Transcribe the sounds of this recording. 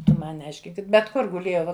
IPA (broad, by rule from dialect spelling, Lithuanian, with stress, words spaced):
ˈtʊ ˈmɐn nʲɛˈɐɪʃʲkʲɪŋk bʲɛt ˈkʊr ɡʊˈlʲeːjɛʊ